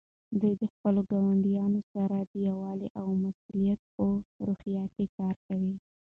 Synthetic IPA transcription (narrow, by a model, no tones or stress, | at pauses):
d̪ujd̪əxpəloɡawaɳɖijɑnosaɾad̪əjawɑleʔawmasulijat̪̚pəɾuxijɑt̪ekɑɾkawi